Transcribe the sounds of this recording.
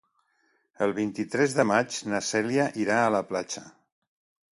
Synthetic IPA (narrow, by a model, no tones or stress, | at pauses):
əlˠβint̪it̪ɾɛzðəmat͡ʃnasɛljaʔiɾaːləplat͡ʃə